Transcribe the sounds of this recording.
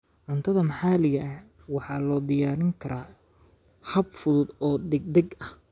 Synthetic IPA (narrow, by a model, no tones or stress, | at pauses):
ʕʊnt̪ʰɐðɐmħɑːlɪɣɐʔ | wɑħɑːlɔːd̪ɪjaːɾɪŋkʰɐɾʔaː | hɐb̚fʊðʊd̪ɔːd̪ɛɡ̚d̪ɛɡɐh